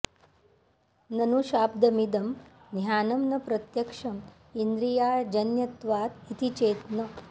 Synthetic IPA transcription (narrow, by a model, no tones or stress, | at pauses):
nɐnuʃaːp̚d̪ɐmid̪ɐm | njaːnɐmnɐpɾɐt̪jɐkʂɐm | ind̪ɾijaːd͡ʒɐnjɐt̪ʋaːt̪it̪it͡ʃeːt̪nɐ